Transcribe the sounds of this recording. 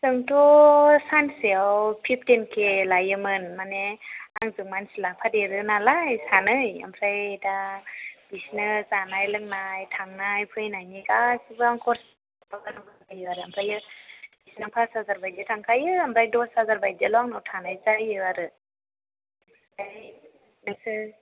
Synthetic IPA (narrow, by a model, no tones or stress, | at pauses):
sɯŋtʰɔsanseawpʰip̚ʰtenkʰelajɯmɯnmaneaŋzɯŋmansilapʰadeɾɯnalajsanɯja̰mpʰɾajdab̥isnɯzanajlɯŋnajtʰaŋnajpʰɯjnajnikasibɯaŋkʰɔɾs | pakanɯbakajɯaɾɯampʰɾajɯb̥isnɯpʰasazaɾbajditʰaŋkʰajɯampʰɾajdɔsazaɾbajelɔaŋnawtʰanajzajɯaɾɯ | aj | nasɯ